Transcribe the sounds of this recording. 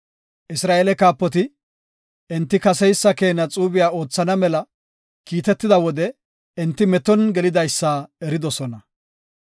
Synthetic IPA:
ʔɪsɾaːʔelɛkaːpːɔt̪ɪ | ɪnt̪ːɪkɐsɛjsːɐke̞ːnɐt͡sʼuːbɪjaːo̞ːt͡sːɐnɐmɛlɐ | kiːt̪ɛt̪ːɪd̪ɐwɔd̪ɛ | ɪnt̪ːɪmɛt̪ɔnɡɛlɪd̪ɐjsːaːɛɾɪd̪ɔsɔnɐ

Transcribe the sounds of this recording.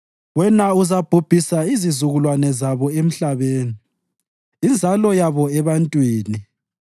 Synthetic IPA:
wɛnauzab̥ʱub̥ʱisaizizuɣulwanɛzaβɔem̩ɬaβeːniː | nd͡zʱalɔjaβɔɛβantʼwiːni

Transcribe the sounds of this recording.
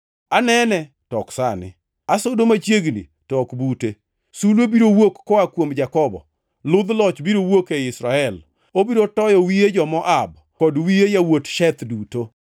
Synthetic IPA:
anɛnɛ | tɔksa̰nɪ̰ | asodomat͡ʃjeɡnḭ | tɔkbute | sulobiɾowokːɔakwomd͡ʒakɔbɔ̰ | lʊd̪lɔt͡ʃbiɾowokeɪsɾaɛl | obiɾotɔjɔwijed͡ʒɔmɔʔab | kɔdwijejawotʃɛt̪duto

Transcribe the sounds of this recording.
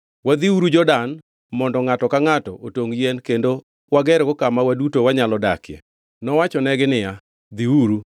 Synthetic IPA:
wad̪iuɾud͡ʒɔdan | mɔndɔŋatɔkaŋatɔʔotoŋjɛnkendo | waɡɛɾɡɔkamawadutowaɲalɔdakjɛ̰ | nɔwat͡ʃɔnɛɡɪnɪja | d̪iuɾu

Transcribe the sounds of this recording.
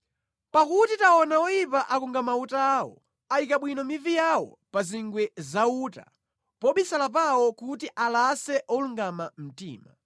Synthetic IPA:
pakutitaɔnawɔjipaʔakuŋɡamautaːwɔ̰ | aikaɓwinɔmivijawɔ̰ | paziŋɡwɛzauːta̰ | pɔɓisalap̬awɔkutiʔalasɛʔɔluŋɡamam̩tḭːma

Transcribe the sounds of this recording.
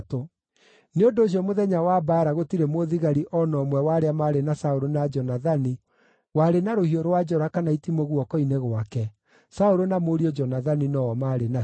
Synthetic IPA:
to | neondoːɕ̬iɔmoðɛɲawabaːɾaɣotiɾemoðiɣaɾiʔɔnɔmwɛwaɾeamaɾenasaoɾonad͡ʒɔnaðani | waɾenaɾohiɔɾwad͡ʒɔɾakanaitimoɣwɔkɔineɣwakɛ | saoɾonamoɾiɔd͡ʒɔnaðaninɔɔmaːɾena

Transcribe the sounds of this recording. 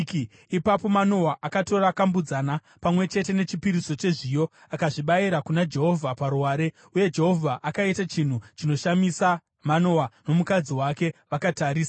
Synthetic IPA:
ipapo̞mano̞waʔakato̞ɾakambud͡zana | pamwe̞t͡ʃe̞te̞ne̞t͡ʃipiɾiso̞t͡ʃe̞ʐijo̞ | akaʐiɓajiɾakunad͡ʒe̞ɦo̞vʱapaɾuwaːɾe̞ | uje̞d͡ʒe̞ɦo̞vʱaʔakaitat͡ʃin̤ut͡ʃino̞ʃamisa | mano̞wano̞mukad͡ziwake̞ʋakataːɾiːsa

